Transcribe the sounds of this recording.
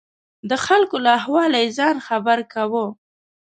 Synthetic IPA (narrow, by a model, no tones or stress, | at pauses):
d̪əxalkolahwɑlajzɑnxabaɾkawə